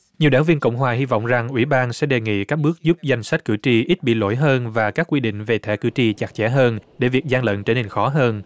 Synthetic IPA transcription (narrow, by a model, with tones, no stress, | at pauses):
ɲi˨˩əwɗaː˧˩˦ŋvi˧ənkə̰˧˨wŋ͡mɦwaː˨˩ɦi˧vɔ̰˧˨wŋ͡mza˨˩ŋʔwi˧˦ɓaː˧nsɛ̰˧˥ɗe˨˩ŋḭ˧˨kaː˦˥k̚ɓɨ˦˥ək̚zu˦˥p̚za˧jŋ̟sa˦˥t̟̚kɨ̰˧˩t͡ɕi˨˩ʔi˦˥t̚ɓḭ˧˨lo̰˧˥jɦəː˧nvaː˨˩kaː˦˥kwi˧ɗḭ̈˧˨ŋ̟ve˨˩t̪ʰɛ˧˩˦kɨ̰˧˩t͡ɕi˨˩t͡ɕa˨˩k̚t͡ɕɛ̰˧˥ɦəː˧nɗe˧˩vi˨˩ək̚zaː˧ŋlə̰˧˨nt͡ɕe˧nːe˨˩nxɔ˨˦ɦəː˧n